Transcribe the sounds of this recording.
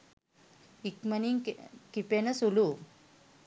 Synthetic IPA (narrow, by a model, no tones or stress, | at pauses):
ikməniŋkipenɐsulu